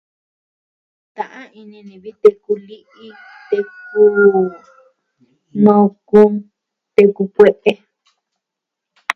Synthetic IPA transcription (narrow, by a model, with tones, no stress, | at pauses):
t̪ã˨ʔã˦i˧nĩ˧nĩ˨βi˦t̪e˧ku˧li˦ʔi˦ | t̪e˧ku˦ | nõ˧ku˦˧ | t̪e˧ku˧kʷe˦ʔe˦